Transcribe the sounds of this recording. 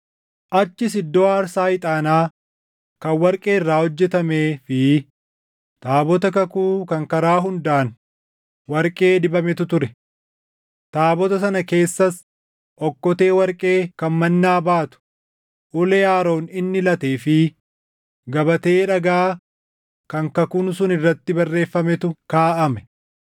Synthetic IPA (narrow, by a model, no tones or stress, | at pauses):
ʔɐt͡ʃːɪsɪd̪ːoːaːɾsaːɪt̪ʼaːnaː | kɐnwɐɾkʼeːɪrːaːhɔd͡ʒːɛt̪ɐmeːfɪ | t̪aːbɔt̪ɐkɐkuːkɐŋkɐɾaːɦʊnd̪aːn | wɐɾkʼe̞ːd̪ɪbɐmɛt̪ʊt̪ʊɾɛ | t̪aːbɔt̪ɐsɐnɐke̞ːsːɐs | ʔɔkːɔt̪e̞ːwɐɾkʼe̞ːkɐnmɐnːaːbaːt̪ʊ̥ | ʔʊlɛjaːɾo̞ːnɪnːɪlɐt̪eːfɪ | ɡɐbɐt̪e̞ːᶑɐɡaː | kɐŋkɐkuːnsʊnɪrːɐt̪ːɪbɐrːe̞ːfːɐmɛt̪ʊkaːʔɐmɛ̥